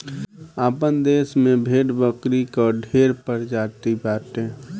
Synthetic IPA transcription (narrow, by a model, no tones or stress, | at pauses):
aːpənd̪eːsmẽbʱeːʈbəkɾikɔɖʱeɾpəɾd͡ʒaːt̪ibaːʈẽ